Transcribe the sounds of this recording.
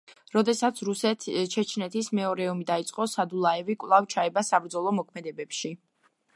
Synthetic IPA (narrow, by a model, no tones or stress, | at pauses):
ɾɔd̪ɛsat̪sʰɾusɛt͡ʃʰɛt͡ʃʰnɛt̪ʰismɛɔɾɛɔmid̪ait̪sʼqʼɔsad̪ulˠaɛvikʼvlˠavt͡ʃʰaɛbasabɾd̪zɔlˠɔmɔkʰmɛd̪ɛbɛpʃi